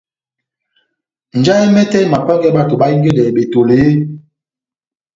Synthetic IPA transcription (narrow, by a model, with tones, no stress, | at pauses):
n̩˨d͡ʒa˦i˦mɛ˦tɛ˦˨ma˨k͡pɛ˦ŋ˦ɡɛ˦ɓa˦˨to˨ɓa˦i˦ŋ˦ɡe˦dɛ˨ɓe˨to˨le˨˦